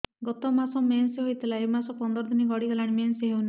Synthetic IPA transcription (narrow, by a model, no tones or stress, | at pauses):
ɡɔt̪ɔmasɔmensɦojt̪ʰilaemasɔpɔnd̪ɔɾɔd̪iniɡɔɽiɡalaɽ̃imensɦewna